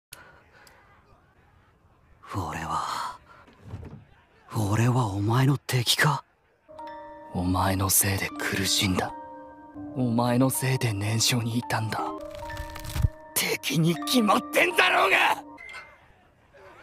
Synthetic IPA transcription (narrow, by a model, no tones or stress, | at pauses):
oɾe̞̰βa | oɾe̞βaomae̞no̞t̪ʰe̞ːkʲi̥ka | omae̞no̞se̞ːd̪e̞kʰɯɾɯ̟ɕĩnd̪a | omae̞no̞se̞ːd̪e̞nẽ̞ɰ̃ɕo̞ːɲ̟iːt̪ãnd̪a | t̪ʰe̞kʲiɲ̟ikʲimat̪ːẽ̞nd̪aɾo̞ːɡa